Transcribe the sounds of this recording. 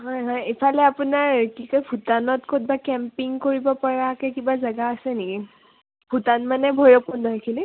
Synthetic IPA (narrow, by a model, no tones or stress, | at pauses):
ɦɔjɦɔjepʰalɛapunaɹkikojbʱutanɔtkot̚bakɛmpiŋkoɹibɔpaɹakɛkibazaɡaːsɛneki | bʰʱutanmanɛbʱojɹɔpundɔɦkʰili